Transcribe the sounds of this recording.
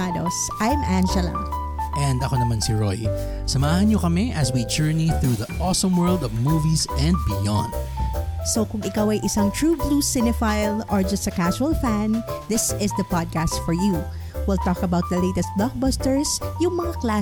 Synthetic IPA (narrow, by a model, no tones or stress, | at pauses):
ad̪osʔajmʔæ̃nd͡ʒɛlɐ̰ | ʔɛ̃nd̪ɐkonɐmansiɹo̰j | sɐmaːhɐnɲokɐmɛʔɐswid͡ʒɛɹniθɹuðɐʔɔsɔ̃mwɜ˞lˠd̪ɔvmuːvisɛ̃nd̪̚bɪjã̰nd̪̚sokʊŋɪkawɐjʔɪsɐŋt̪ɹuːbluːsɪnɪfajlʔɔɹd͡ʒɐst̪ɐkaʒuɐlfæ̃nd̪ɪsɪsd̪ɐpad̪̚kast̪fɔɹju | wɪlt̪ɔkɐbawt̪̚d̪ɐlejt̪ɛst̪̚blak̚bost̪ɛɹsjʊŋmɐŋakla